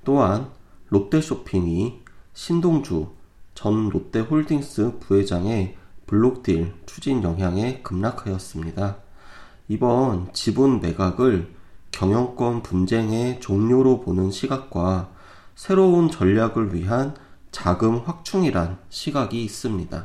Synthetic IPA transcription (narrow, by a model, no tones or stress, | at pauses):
t͈oɦanːot͈e̞ɕ͈ʰopʰiŋiɕʰindoŋd͡ʑut͡ɕʌnːot͈e̞ɸoɭdiŋs͈ɯpue̞d͡ʑaŋe̞puɭːok̚t͈iɭt͡ɕʰud͡ʑinjʌŋɦjaŋe̞kɯmnakʰajʌs͈ɯmɲida | ibʌnt͡ɕibunme̞ɡaɡɯɭkjʌŋjʌŋk͈wʌnpund͡ʑe̞ŋe̞t͡ɕoŋɲoɾoponɯnɕʰiɡak̚k͈wa | sʰe̞ɾount͡ɕʌʎːaɡɯɭɥiɦant͡ɕaɡɯmɸwak̚t͡ɕʰuŋiɾanɕʰiɡaɡiːs͈ɯmɲida̰